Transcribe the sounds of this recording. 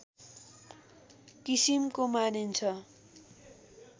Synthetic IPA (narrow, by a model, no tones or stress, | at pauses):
kisimkomanint͡sʰʌ